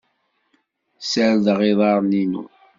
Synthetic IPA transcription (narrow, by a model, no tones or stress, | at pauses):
səɾðʁiðˤɑɾˤninṵ